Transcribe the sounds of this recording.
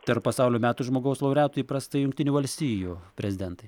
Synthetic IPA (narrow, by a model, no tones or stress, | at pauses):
t̪ʲɛɾppɐsɑʊlʲoːmʲæːt̪uːʒmoːɡɐʊslˠɐʊɾʲæːt̪oːjiːpɾɐst̪ɐɪjʊŋk̚ʲt̪ʲɪnʲuːʋɐlʲsʲt̪ʲiːjuːpʲɾʲɛzʲɪd̪ʲɛnt̪ɐɪ